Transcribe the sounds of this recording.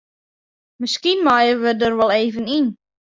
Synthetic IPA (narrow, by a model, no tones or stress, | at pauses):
məskinmajəʋədərʋɔlˠeːvənin